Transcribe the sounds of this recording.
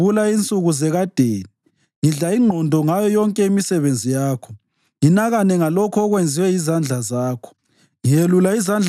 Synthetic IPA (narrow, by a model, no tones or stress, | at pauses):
ulaint͡sʼuɣuzɛɣad̥ʱeːni | ŋiɮaiŋ͡ǃʱɔndʱɔŋajɔjɔŋkʼɛimisɛβend͡zʱijaːkʰɔ̥ | ŋinaɣanɛŋalɔkʰɔɔɣwend͡zʱiwɛjizand͡ɮʱazaːkʰɔ̥ | ŋijelulaizand͡ɮʱ